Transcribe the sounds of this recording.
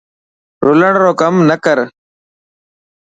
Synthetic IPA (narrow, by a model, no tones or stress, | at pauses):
ɾuləɳɾoːkɐmnəkəɾ